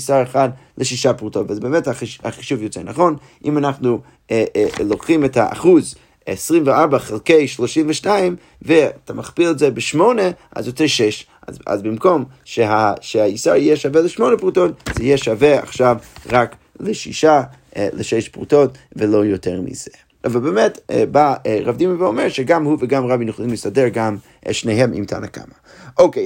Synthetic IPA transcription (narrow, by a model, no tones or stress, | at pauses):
saʁeχadləʃiʃapʁutotvzɛbemɛtaaχi̥ʃuvjot͡sɛnaχon | ʔimanaχnu | lokχimɛthaʔa̰χuz | esʁimveaʁbaχelˠkejʃloʃimvəʃtaim | vetʰamaχpiltzɛbɪʃmoneʔa̰zjot͡sɛʃɛʃ | a̰a̰zbɪmkomʃeɦaʃeajisaɾijɛʃavɛləʃmonəpʁutotz̥ɛjɛʃavɛa̰χʃavʁak | leʃḭʃa | leʃɛʃpʁṵtotvelojotʰɛʁmḭze | ʔavalˠbemɛtbaʁavdimiveomɛɾʃɛɡamhuvəɡamʁabinjuχolˠimləsadɛʁɡam̰ | ʃneɦɛmʔḭmtʰa̰naka̰ma | ʔoke